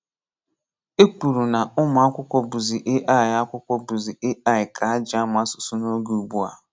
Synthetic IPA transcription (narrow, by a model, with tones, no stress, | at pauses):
e˦ku˨ɾu˨na˨ʊ˦ma˨a˦kʷʊ˦kʷɔ˦bu˨zi˨ʔe˦ʔa˦ɪ˨a˦kʷʊ˦kʷɔ˦bu˨zi˨e˦ʔa˦˨ɪ˨kʰa˨a˦d͡ʒa˦m˨a˦sʊ̥˨su˦no˦ɡu˨u˨bu˦a̰˨˦